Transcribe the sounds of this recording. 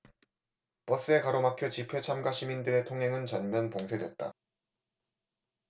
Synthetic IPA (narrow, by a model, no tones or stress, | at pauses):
p͈ʌs͈ɯe̞kaɾomakʰjot͡ɕipʰet͡ɕʰamɡaɕʰimindɯɾe̞tʰoŋɦe̞ŋɯnt͡ɕʌnmjʌnpoŋsʰedwe̞t̚t͈a̰